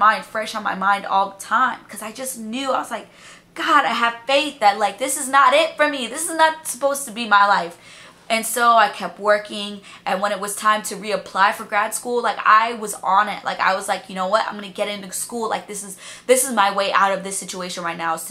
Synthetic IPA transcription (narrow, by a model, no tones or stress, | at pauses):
mãɪ̃nd̥fɹɛʃn̩ma̰ɪmãɪ̃ndɔ̰lˠðətʰãɪ̃mkʰʌzaɪd͡ʒʌsnjʉaɪwʌzlaɪk̚ | ɡ̥ɑɾaɪɨv̥feɪθðɨt̚laɪk̚ðɪsɨznəɾɪtfə˞miðɪsɨznət̚sə̥poʊz̥tʰɨbimaɪlaɪf | ʔɨ̃nsoʊaɪkʰɛp̚t̚wɜ˞kɪ̃ŋ | ʔɨ̃nwə̃ɾ̃ɨt̚wʌz̥tʰãɪ̃mtʰɨɹiɨpʰl̥aɪfə˞ɡɹæd̥skulˠlaɪka̰ɪwʌz̃nɪt̚la̰ɪka̰ɪwʌzlaɪkjɨnoʊwʌtã̰ɪ̃mɡʌ̃nɨɡɛɾɪ̃ntʉskulˠla̰ɪk̚ðɪsɨzðɪsɨzmaɪweɪʔa̰ʊɾʌvðɨsɪt͡ʃueɪʃɨ̃nɹaɪtⁿnaʊz